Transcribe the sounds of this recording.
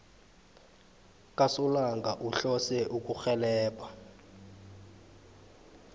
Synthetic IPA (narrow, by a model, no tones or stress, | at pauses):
kʼasulaŋɡʱaʔuɬɔsɛʔuk̬ʼuxɛlɛːpʰʼa